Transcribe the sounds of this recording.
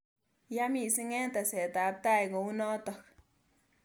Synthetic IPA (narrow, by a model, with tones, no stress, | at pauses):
ja˦mi˧˨si˦ŋe˦nt̪a˨se˨t̪a˨˦p̚t̪a˦jɡo˨u˦no˦t̪o˨k